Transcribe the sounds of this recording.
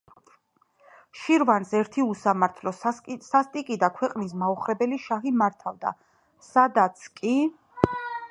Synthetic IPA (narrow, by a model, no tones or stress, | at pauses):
ʃiɾvansɛɾt̪ʰiusamaɾt̪ʰlɔsast̪ʼikʼid̪akʰwɛqʼnis̬mauχɾɛbɛliʃaɦimaɾt̪ʰavd̪a̰ | sad̪at̪sʰkʼi